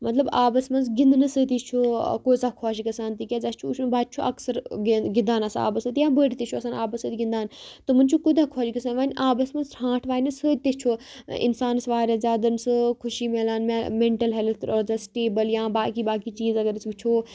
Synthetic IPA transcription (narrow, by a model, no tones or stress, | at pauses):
mɐt̪lɐbaːbɐsmɐnzɡɪnd̪nɐsət̪it͡ʃʰoːkoːsaːkʰɔːʃɡɐsaːnt̪ikʲaːd͡ʒɐst͡ʃʰuʃbaːd̪̚t͡ʃʰoʔɐksɐɾɡɪnd̪aːnɐsa̰ːbɐsət̪ijãːbəːɽit̪et͡ʃʰoɐsaːnaːbɐsət̪iɡĩnd̪aːnt̪ɐmɐ̃nʲt͡ʃʰukud̪aːkʰɔːʃɡɐsaːnʋaːnʲʔaːbɐsmɐnzhãːʈʰʋaːnɐsət̪et͡ʃʰoːɪ̰nsaːnsʋaːɾʲaːzʲaːd̪ɐnsɨkʰʊʃimeːlaːnmmẽɳʈɐlɦelt̪ʰɔːzɐsʈeːbəljãːbaːkiːbaːkiːt͡ʃiːzɐɡəɾisʋit͡ʃʰoː